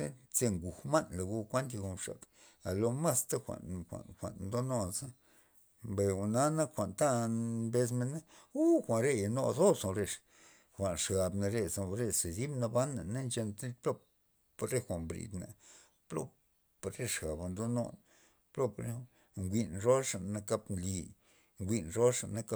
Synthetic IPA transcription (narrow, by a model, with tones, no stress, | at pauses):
e˦t͡se˧ŋɡu˨hma˦nla˨ɡu˧kʷa˦nt̪a˧ɡu˧ʂa̰˨k | a˨lo˧ma˦st̪a˦xʷa̰˨nxʷa̰˨nxʷa̰˨nnd̪o˦no˦nsa˦ | mbe˨u˨na˦na˦xʷa˨nt̪a˦mbe˧s̬me˧na˦u˦xʷa˨nɾe˦ja˨no˧so˦so˨˧ɾe˧ʂ | xʷa˨nʂɡa˧bna˧ɾe˧sa˧ɾe˦˧se˨d̪i˦bna˧ba˦nːa˨na˦nt͡ʃe˧nt̪plo˦ | pɾe˦xʷa˨mbɾḭ˧d̪na̰˨ | plo̰˦ | pɾe˦ʂɡa˨ba˨nd̪o˦no̰˦˧n | plo˦pɾe˦˨ | ŋɡʷi˧nɾo˦ʂa˨na˧ka˧pnli˧ | ŋɡʷi˧nɾo˦ʂa̰˨nːa˧ka˧˦